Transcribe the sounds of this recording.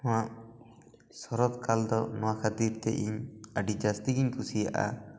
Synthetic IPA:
ɔ̃waʔ | sɔɾɔt̪kald̪ɔnɔwakʰat̪iɾt̪ɛʔiɲaɖid͡ʒast̪iɡiɲkʰusija̰ʔa̰

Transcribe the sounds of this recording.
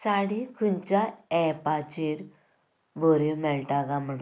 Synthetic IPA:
saɽikʰunt͡ɕaɛpat͡ɕiɾ | bʱoɾimɛɭʈaɡam̤əɽu

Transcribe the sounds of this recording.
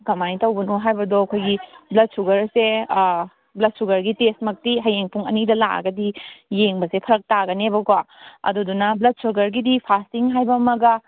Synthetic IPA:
ɡɐmajtɐwbɐnuɦajbɐdɔɐkʰojɡiblɐt̚suɡɐɾse | blɐt̚suɡɐɾɡitestmɐk̚tiɦɐjeŋpʰuŋɐnidɐlaɐ̰ɡɐdijeŋbɐsepʰɐɾɐk̚taɡɐnebɐkwaɐ̰dudunɐblɐt̚suɡɐɾɡidipʰastiŋɦajbɐmɐɡɐ

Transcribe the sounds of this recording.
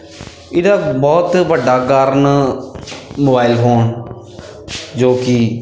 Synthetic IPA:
ɪd̪aːbɔːt̪ʋəɖːaːɡaːɾən | moːbaːɪlɦoːɳ | d͡ʒoːkɪ

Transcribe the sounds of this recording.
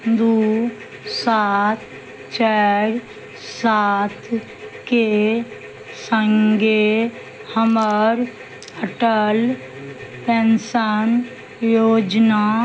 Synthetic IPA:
d̪u | sat̪̚ʰ | t͡ʃɛːɾ | sat̪ʰ | ke | səŋɡe | həməɾ | əʈəl | pɛnsən | joːd͡ʒna

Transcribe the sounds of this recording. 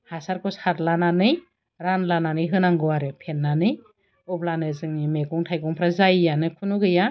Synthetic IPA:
hasaɾkʰɔshatlananɯj | ɾanlananɯjɦɯnaŋɡɯwaɾepʰenːanɯj | ɔp̚lanɯzɯŋnimeɡɔŋtʰajɡɔŋpʰɾazajjanɯkʰunuɡɯja

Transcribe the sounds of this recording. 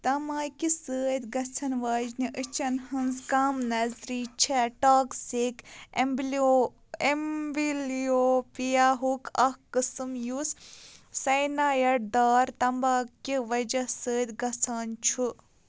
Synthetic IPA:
t̪ɐmaːkisəːt̪ʲɡɐt͡sʰɐnʋaːd͡ʒniʔət͡ʃɐnhɨnzkaːmnɐzɾiːt͡ʃʰɛʈaːksik | embilioːpijaɦukʰɐhkɨsɨmjussɐjnaːjɐɽd̪aːɾt̪ɐmbaːkiʋɐd͡ʒɐsəːd̪ʲɡɐt͡sʰaːnt͡ʃʰu

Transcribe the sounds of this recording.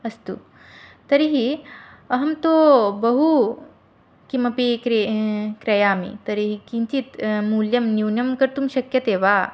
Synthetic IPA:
ɐst̪ṵ | t̪ɐɾiɦiɐɦɐmt̪oːbɐɦu | kimɐpikɾkɾɐjaːmḭt̪ɐɾiɦikĩnt͡ʃit̪muːljɐmniwnjɐmkɐɾt̪umɕɐkjɐt̪eːʋaː

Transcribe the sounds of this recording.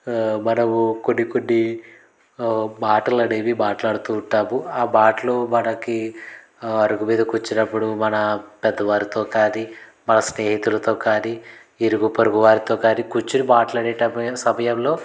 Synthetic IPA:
mɐnɐmukonːikonːi | maːʈɐlɐɽeːʋibaːʈlaːɽut̪uːɳʈːaːmuaːbaːʈɐlumɐnɐki | ɐɾuɡumiːd̪ɐkut͡ʃːinɐpːuɽumɐnɐpɛd̪ːɐʋaːɾit̪o̞ːkaːnimɐnɐsneːɦit̪ulɐt̪o̞ːkaːni | iɾuɡupɐɾuɡuʋaːɾit̪o̞ːkaːnikut͡ʃːinibaːʈlaːɽɛːʈɐmɐsɐmɐjɐmlo̞ː

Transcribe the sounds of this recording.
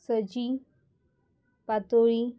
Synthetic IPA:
səd͡ʑi | pat̪oɭi

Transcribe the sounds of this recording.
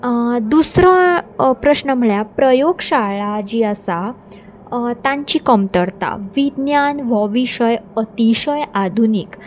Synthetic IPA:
d̪usɾãpɾəɕnəm̤əɭjapɾəjoɡɕaɭad͡ʑiːəsa | t̪ãɲt͡ɕiːkəmt̪əɽt̪a̰ʋid̪njanʋəʋiɕəjət̪iɕəjad̪ʱunik

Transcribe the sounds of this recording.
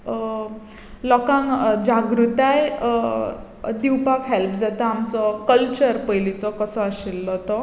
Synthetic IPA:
lɔkãŋd͡ʑaɡɾut̪aj | d̪iwpakɦɛlpʰd͡zat̪aamt͡sɔkəlt͡ɕəɾpəjlit͡sɔkəsɔaɕilːɔt̪ɔ

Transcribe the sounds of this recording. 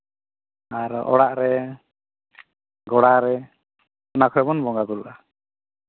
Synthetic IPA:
aɾɔ̰ɽaʔɾɛ | ɡɔɽaɾɛ | ɔnakʰɔɾɛbɔnbɔŋɡad̪uɾʔa

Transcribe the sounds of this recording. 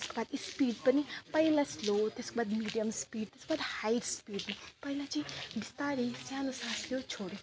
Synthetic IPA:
t̪eskobad̪ispiɖpʌnipʌjlaslot̪eskobad̪miɖijəmspiɖt̪eskobad̪hajɾspiɖnipʌilat͡sʌĩbist̪aɾisjanosãsljot͡sʰoɾi

